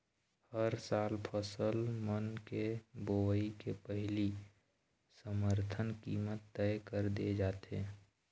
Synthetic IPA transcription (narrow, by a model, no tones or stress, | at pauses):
həɾsaːlpʰəsəlmənkeboʋəikepəɦɪli | səməɾt̪ʰənkiːmət̪ːɛɪkəɾd̪ed͡ʒaːt̪ḛː